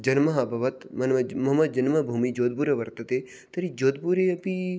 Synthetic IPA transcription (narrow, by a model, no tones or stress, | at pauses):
d͡ʒɐnmɐɦɐbʱɐʋɐt̪mɐnɐmɐɦɐmɐd̪̚d͡ʒɐnmɐbʱumid͡ʒoːd̪̚buːɾɐʋɐɾt̪ɐt̪e | t̪ɐɾid͡ʒoːd̪̚buɾeɐpi